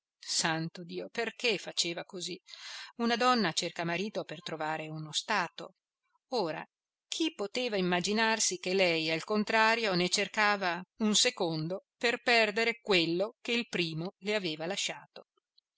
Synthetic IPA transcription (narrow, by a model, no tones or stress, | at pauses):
sant̪od̪iːoperkefat͡ʃeːvakoziunad̪ɔnːat͡ʃerkamaɾiːt̪opert̪ɾovaːɾeunost̪aːt̪o̰ | oːɾa̰ | kʰipːot̪eːvaimːad͡ʒinarsik̟elɛjalkont̪ɾaːɾjonet͡ʃerkaːvaunsekond̪operpɛrd̪eɾekwelːok̟eilpɾiːmoleaveːvalaʃːaːt̪o